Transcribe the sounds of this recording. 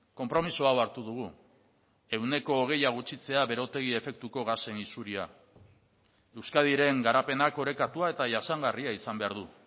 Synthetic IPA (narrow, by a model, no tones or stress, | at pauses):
ko̞mpɾo̞misoawaɾt̪uðuɣ̞u | e̞wne̞ko̞ːɣ̞e̞jaɣ̞ut͡ʃit͡se̞aβe̞ɾo̞t̪e̞ɣ̞ie̞fe̞k̚t̪uko̞ɣ̞ase̞nisuɾia | e̞wskað̞iɾe̞ŋɡaɾape̞nako̞ɾe̞kat̪uae̞t̪aʝasaŋɡariaisambe̞aɾðu